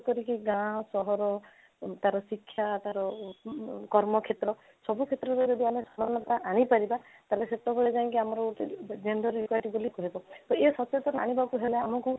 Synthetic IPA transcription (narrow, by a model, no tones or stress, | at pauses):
kɔɾikiɡãsɔɦɔɾɔ | t̪aɾɔsikʰːjat̪aɾɔ | kɔɾmɔkʰet̪ɾɔ | sɔbukʰet̪ɾɔɾeɾed̪iamesɔmanːɔt̪aʔaɽ̃ipaɾibat̪aleset̪ɔbeɭed͡ʒaĩŋkiamɔɾɔʈid͡ʒend̪ɔɾjukwajʈibolikɔɦebɔt̪ɔesɔt͡ʃet̪ɔna̰ɽ̃ibakuɦeleamɔku